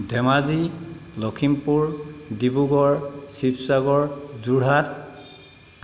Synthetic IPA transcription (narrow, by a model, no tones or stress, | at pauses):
dʱɛmazi | lɔkʰimpuɹdibuɡɔɹsipsaɡɔɹzuɹɦat̚